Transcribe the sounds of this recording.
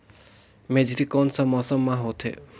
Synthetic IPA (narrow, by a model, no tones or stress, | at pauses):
med͡ʒɾikːɔnsɔmɔsɔmːaɦot̪ʰḛ